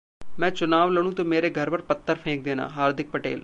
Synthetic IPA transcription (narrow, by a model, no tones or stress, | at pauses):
mɛ̃ːt͡ʃʊnaːʋləɽ̃ũːt̪õːmeːɾeːɡʱəɾpəɾpət̪ʰːəɾpʰẽːk̚d̪eːna̰ːɦaːɾd̪ɪk̚pəʈḛːl